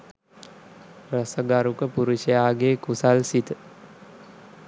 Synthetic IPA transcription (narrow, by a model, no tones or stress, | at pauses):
rasəɡaɾukəpuɾuʃəjaːɡeːkusalsit̪ə